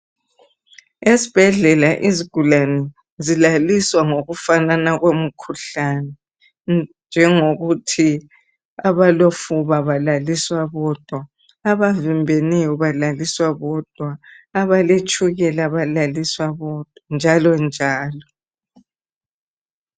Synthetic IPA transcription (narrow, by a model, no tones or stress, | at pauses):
esib̥ʱɛɮɛlaʔiziɡ̥ʱulanɛ | zilaliswaŋoɣufananaɣwem̩kʰuɬanɛ | nd͡ʒʱɛŋoɣutʰi | aβalofuβaβalaliswaβɔd̥ʱwaː | βavimbʱenɛjɔβalaliswaβɔd̥ʱwaːβalet͡ʃʼʰuɣɛlaβalaliswaβɔd̥ʱwand͡ʒʱalɔnd͡ʒʱaːlɔ